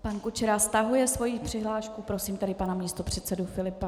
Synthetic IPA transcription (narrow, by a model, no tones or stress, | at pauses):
pankut͡ʃɛɾast̪aɦujɛsvo̞jipr̥ɪɦlaːʃkupɾo̞siːmt̪ɛdɪpanamɲiːst̪o̞pr̝̥ɛt̪sɛdufɪlɪpa